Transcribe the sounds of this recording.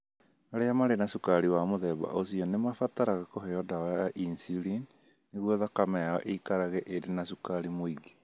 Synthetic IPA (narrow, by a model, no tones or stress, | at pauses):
aɾeamaɾenasukaɾiwamoðɛba̰ʔosiɔnemafataɾaɣakoheɔdaaaʔinsiɾin | neɣwɔðakamɛaɔ̰ʔeikaɾaɣɛʔedenasukaɾimoiɡe̥